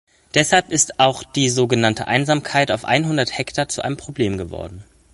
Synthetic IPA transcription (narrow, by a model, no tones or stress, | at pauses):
d̥ɛshalpɪstʔaʊxd̥iːzoːɡənantəʔa̰ɪnzaːmkʰaɪtaʊfʔa̰ɪnɦʊndɐthɛktʰat͡suʔaɪnəmpʁ̥obleːmɡəvɔ̰ɐdn̩